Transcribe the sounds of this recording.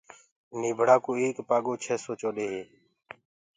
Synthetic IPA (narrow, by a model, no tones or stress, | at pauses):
niːbʱəɽaːkoːeːkpaːɠoːt͡ʃʰɛːsoːt͡ʃoːɗeːɦeː